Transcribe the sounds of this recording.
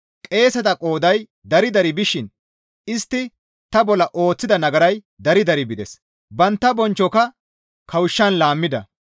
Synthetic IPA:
kʼe̞ːsɐt̪ɐkʼo̞ːd̪ɐj | d̪ɐɾɪd̪ɐɾɪbɪʃɪn | ɪst̪ːɪ | t̪ɐbɔlːɐʔo̞ːt͡sːɪd̪ɐnɐɡɐɾɐj | d̪ɐɾɪd̪ɐɾɪbɪd̪ɛs | bɐnt̪ːɐbɔnt͡ʃːɔkɐ | kʰɐwɪʃːɐnlaːmːɪd̪ɐ̰

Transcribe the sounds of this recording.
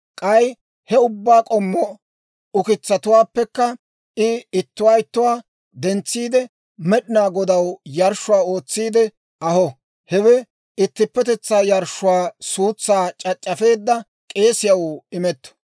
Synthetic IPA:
kʼɐj | hɛʊbːaːkʼɔmːɔ | ʊkɪt͡sːɐt̪ʊwaːpːɛkːɐ | ɪɪt̪ːʊwaːɪt̪ːʊwaː | d̪ɛnt͡sːiːd̪ɛ | mɛɗɪnaːɡɔd̪ɐwjɐɾʃːʊwaːo̞ːt͡sːiːd̪ɛ | ɐhɔ | hɛwɛ | ɪt̪ːɪpːɛt̪ɛt͡sːaːjɐɾʃːʊwaːsuːt͡sːaːt͡ʃʼɐt͡ʃʼːɐfe̞ːd̪ːɐ | kʼe̞ːsɪjɐwɪmɛt̪ːɔ̥

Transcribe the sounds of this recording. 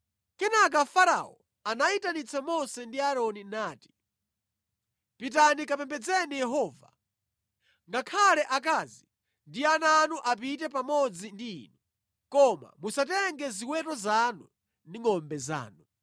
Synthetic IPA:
kɛnak̬afaɾa̰ɔ | anaitanit͡sʰamɔsɛndiaɾɔninaːti̥ | pit̬anikapɛmbɛd͡zɛnijɛɦɔːva̰ | ŋɡakʰalɛʔak̬aːzi | ndiananuʔap̬itɛp̬amɔd͡zindḭːnu | kɔma̰musatɛŋɡɛziwɛtɔzanu | niŋɔmbɛza̰ːnu

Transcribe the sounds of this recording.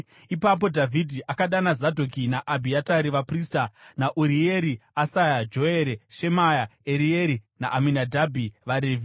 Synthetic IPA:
ipap̬o̞dʱavʱidʱiʔakaɗanazadʱok̬inaʔabʱiataɾiʋapristanaʔuɾie̞ɾiasajad͡ʒo̞eɾeʃe̞majaeɾie̞ɾina̰ʔaminadʱabʱiʋaɾeːvi

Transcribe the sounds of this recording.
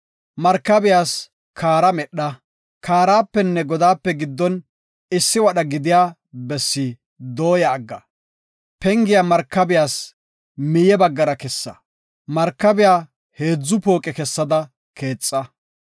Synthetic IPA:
mɐɾkːɐbɪjaːs | kʰaːɾɐmɛɗːɐ | kaːɾaːpːɛnːɛɡɔd̪aːpːɛɡɪd̪ːɔn | ɪsːɪwɐɗɐɡɪd̪ɪjaː | bɛsːi | d̪o̞ːjɐːɡːɐ | pɛŋɡɪjamɐɾkːɐbɪjaːs | mɪjɛbɐɡːɐɾɐkɛsːɐ̰ | mɐɾkːɐbɪjaː | he̞ːd͡zːʊpo̞ːkʼɛkɛsːɐd̪ɐ | kʰe̞ːt͡sʼːɐ

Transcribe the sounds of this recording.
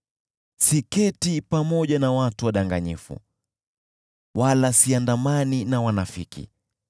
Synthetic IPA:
sikɛtipamɔʄanawatuwaɗaŋɡaɲifṵ | walasiandamaninawanafḭkḭ

